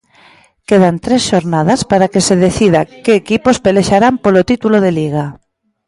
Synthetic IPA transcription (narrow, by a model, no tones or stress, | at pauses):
keðant̪ɾesʃoɾnaðaspaɾakeseðeθiðakeːkipospeleʃaɾampolot̪it̪uloðeliɣ̞a